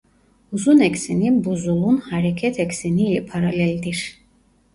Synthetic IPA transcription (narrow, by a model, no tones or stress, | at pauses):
uzunɛksinibuzulˠunhaɾɛkʰɛt̪ʰɛksinilpʰaɾalɛld̪iɾ